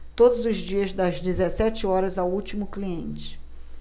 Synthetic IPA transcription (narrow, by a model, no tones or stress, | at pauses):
t̪od̪ʊzʊzd͡ʒiɐzd̪ɐzd͡ʒezesɛt͡ʃɪɔɾɐzawut͡ʃimʊkliẽnt͡ʃɪ̥